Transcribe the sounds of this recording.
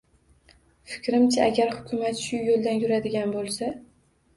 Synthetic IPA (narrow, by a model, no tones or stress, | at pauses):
fɪ̥kʲɾɪmt͡ʃʰaʔaɡʲaɾhʊkʲʰʊmat̪ʃʊjolˠd̪anjʊɾad̪ɪɡʲanbolˠsa